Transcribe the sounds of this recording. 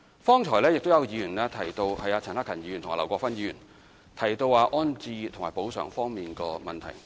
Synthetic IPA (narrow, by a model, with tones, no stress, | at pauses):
fɔː˥ŋt͡ʃʰɔː˨˩jlɛː˥jɪ˨k̚t̪o˥wjɐ˨˧wjiː˨˧jyː˨˩nlɛː˥t̪ʰɐ˨˩jt̪o˧whɐ˨jaː˧t͡sʰɐ˨˩naː˥kʰɐ˨˩njiː˨˧˨nt̪ʊ˨ŋa̰ː˨˧lɐ˨˩wkʷɔː˧˥kfɐ˥njiːi˧˨yː˨˩n | t̪ʰɐ˨˩jt̪o˧waː˧ʔɔː˥nt͡siː˧t̪ʰʊ˨˩ŋmaː˨˩jpo˨˥wsœ̰ː˨˩ŋfɔː˥ŋmiː˨nkɔː˧mɐ˨nt̪ʰɐ̰˨˩j